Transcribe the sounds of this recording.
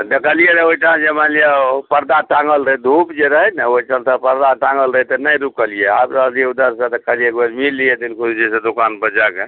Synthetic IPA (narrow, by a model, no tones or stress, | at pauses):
dəkəlijeɾəoiʈʰãd͡ʒemalijapəɾd̪aʈãŋɡəlɾəɦɛd̪ʱupd͡ʒeɾəɦɛnəoiʈəlt̪əpəɾd̪aʈãŋɡəlɾəɦɛt̪ənəjɾukəlijea̰bɾəd̪ijeud̪əɾsə̃t̪əkʰəlijekbəd͡ʒmilːijɛd̪ilkʰuld͡ʒesẽd̪ukanbəd͡ʒake